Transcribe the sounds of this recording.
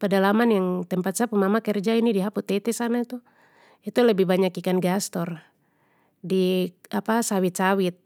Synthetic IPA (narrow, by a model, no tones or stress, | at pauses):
padalamanjaŋt̪ɛmpat̪̚sapumamakɛrd͡ʒainidiɦaput̪ɛt̪ɛsanait̪u | it̪ulɛbihbaɲakikanɡast̪ɔr | diapasawit̪̚t͡ʃawit̪̚